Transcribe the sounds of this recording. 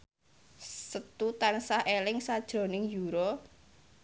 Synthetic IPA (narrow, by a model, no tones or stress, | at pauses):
sət̪ut̪ansahʔelɪŋsad̥ʒ̥ɾɔ̤nɪŋjuɾɔ